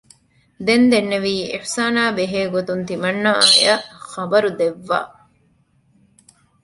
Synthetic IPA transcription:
d̪end̪enːeʋiːḭħsaːnaːbeɦeːɡot̪unt̪imɐnːɐajɐxɐbɐɾud̪eʋːa̰ː

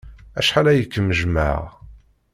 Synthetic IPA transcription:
æʃħalæjəkːəmːəʒma̰ʁ

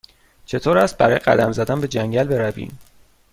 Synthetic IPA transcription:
t͡ʃʰe̞t̪ʰoːɾæst̪̚bæɾɒːjeɢæ̰d̪æmzæd̪ænbe̞d͡ʒæŋɟælbe̞ɾævḭːm

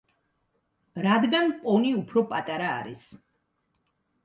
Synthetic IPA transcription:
ɾad̪ɡanpʼɔniupʰɾɔpʼat̪ʼaɾa̰ːɾḭs

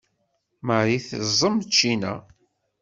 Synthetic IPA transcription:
məɾiθəzˤːəmt͡ʃːinæ̰

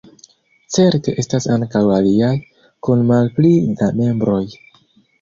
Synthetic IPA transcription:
t͡se̞ɾte̞ʔe̞stasaŋkawaliaj | kunmalplidame̞mbɾo̞j

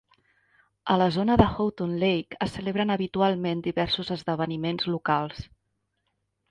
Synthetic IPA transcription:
ələzonəðəxowt̪unlejkəsəleβɾənəβit̪ualˠmend̪iβɛɾsuzəzðəβ̞ənimenzlukalˠs

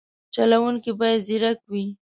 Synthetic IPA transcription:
t͡ʃalawuŋkibɑjad̪ziɾakwi

